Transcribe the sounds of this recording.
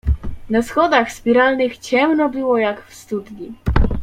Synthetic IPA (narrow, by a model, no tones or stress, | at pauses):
nasxɔd̪axspʲiɾalnɘxt͡ɕɛmnɔbɘwɔjakfst̪ud̪ɲi